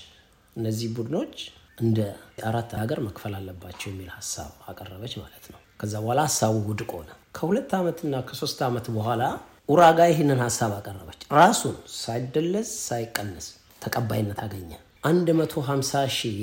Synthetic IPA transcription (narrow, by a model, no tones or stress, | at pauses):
ʔɨnːəzːihbud̪ɨno̞t͡ʃːʔɨnd̪əaɾat̪ːaaɡəɾməkfəlalːəbːat͡ʃːɛwjɛmːilhasːa̰βakʼərːəβət͡ʃːmalət̪nəwkʰəzːabəhalahasaβuwʊd̪kʼo̞̰nə | kʰəhulət̪ːamət̪ɨnːakʰəso̞st̪amət̪bəhʷala | ʔuɾaɡajɛɦenːɨnhasːaβakʼərːəβət͡ʃːɾasunsajd̪ːəlːəzsajɪkʼːənːəs | t̪ʰəkʼəbːajɪnːət̪ʰaɡəɲːa | ʔand̪mət̪ʰo̞ɦamsaʃi